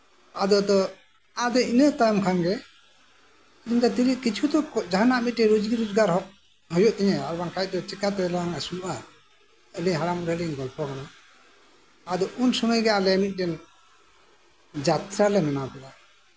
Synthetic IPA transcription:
ad̪ɔd̪ɔ | ad̪ɔinət̪ajɔmkʰanɡɛ | iɲd̪ɔt̪iliʔkit͡ʃʰud̪ɔkɔd͡ʒaɦanaʔmit̪̚ɾɛɾod͡ʒɡiɾɔd͡ʒɡaɾɦɔʔ̚ | ɦɔjɔʔt̪ɛɲɛaɾbaŋkaj̚d̪ɔt͡ʃɛkat̪ɛlaaŋasunuʔa | əliɲɦaɽamɾəliɲɡɔlpɔkana | ad̪ɔunsɔməjɡɛalɛmit̪̚ˀɖɛn | d͡ʒat̪ɾalɛmɛnapɛʔa

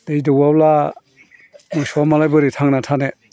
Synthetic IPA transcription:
d̥ejidɯwawla | mɯsɔamalajbɯɾitʰaŋnatʰane

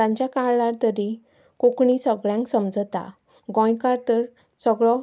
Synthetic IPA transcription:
ãɲt͡ɕakaɭaɾt̪əɾi | kokɳisəɡɭjãŋksəmd͡zt̪a̰ | ɡɔ̃jkaɾt̪əɾ | səɡɭɔ

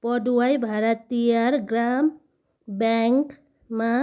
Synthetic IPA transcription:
pɔɖuwajbʱaɾat̪ːijaɾɡɾam | bɛŋk | ma

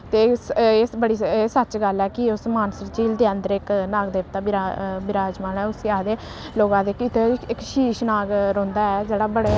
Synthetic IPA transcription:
t̪eːeːbəɽiːeːsət͡ʃɡəlɛːkɪʊsmaːnsɪɾt͡ʃiːld̪eːə̃nd̪əɾɪknaːɡd̪eːpt̪aːbɪɾabɪɾaːd͡ʒmaːnɛːʊsjaːɦd̪eː | loːɡãːd̪eːkit̪eɪkʃiːʃnaːɡɾõːnd̪aːɛːd͡ʒeːɽaːbəɽeː

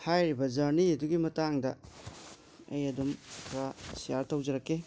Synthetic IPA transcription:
hajɾibɐd͡ʒɐɾniɐduɡimɐtaŋdɐ | ɐ̰jɐdumkʰɾasijaɾtɐwd͡ʒɐɾɐkːe

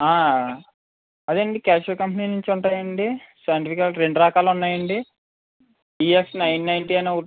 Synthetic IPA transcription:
aː | ɐd̪eːɳɖikaːʃɐkɐmpɐninuɲt͡ʃiuɳʈaːjɐɳɖisɐjɐɳʈipikɐlʈɾe̞ɳɖuɾɐːkaːlunːaːjɐɳɖi | iːeksnɐjnːɐjnʈiɐjnɐːu

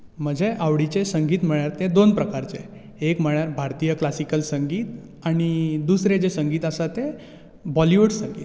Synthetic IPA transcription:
m̤əd͡ʑʱeʔaʋɽit͡ɕesəŋɡiːt̪m̤əɭjaɾt̪ed̪onpɾəkaɾt͡se | ekm̤əɳjaɾbʱaɾt̪ijəklasikəlsəŋɡiːt̪ | aɽ̃id̪usɾed͡ʑesəŋɡiːt̪əsat̪e | bɔliʋuɽsəŋɡiːt̪

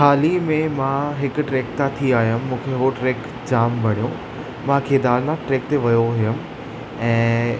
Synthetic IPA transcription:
kʰaːlimẽmãɦɪkʊ̆ʈɾeːkt̪at̪ʰiaːɦijəmːũːkʰeɦoʈɾeːk | d͡ʑaːmbɐɽ̤ijõ | mãkʰeːd̪aːɾnaʈɾeːk̚t̪eʋɐjoɦɪjʊmɪ̆ | ɛ̃ː

